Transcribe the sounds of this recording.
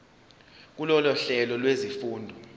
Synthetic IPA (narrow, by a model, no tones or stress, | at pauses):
k̬ulɔlɔɬɛlɔlwezifuːndʱɔ